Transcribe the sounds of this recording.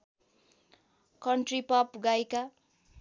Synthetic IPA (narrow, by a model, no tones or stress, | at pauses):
kʌɳʈripʌpɡajka